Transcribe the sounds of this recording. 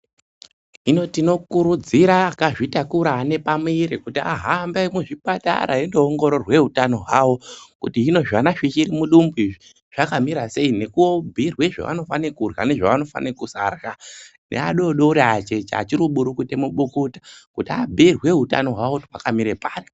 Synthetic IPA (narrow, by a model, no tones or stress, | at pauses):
ino̞tino̞kuɾud͡ziɾakaʐitakuɾaːne̞pamuiɾikutia̰ɦambaimuʐiɓata̰ɾa̰endeoŋɡo̞ɾo̞rwe̞ɦutano̞ɦwawo̞kutiino̞ʐanaʃit͡ʃiɾimuɗumbuiʐi | ʐ̥akamiɾase̞ine̞kuobʱirwe̞ʐa̰ʋa̰no̞fanekurɣa̰ne̞ʐaʋano̞fa̰nekusarɣane̞̰a̰ɗo̞ɗoɾeat͡ʃe̞t͡ʃa̰ːt͡ʃiɾuɓuɾukutemuɓukutḁkutiabʱirwe̞ɦuta̰no̞ɦwawotɦwakamiɾepaːri